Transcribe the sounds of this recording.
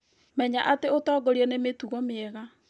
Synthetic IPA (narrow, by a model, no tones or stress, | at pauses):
mɛɲaʔateotɔːɡɔɾiɛnemetuɣɔmeɛɣa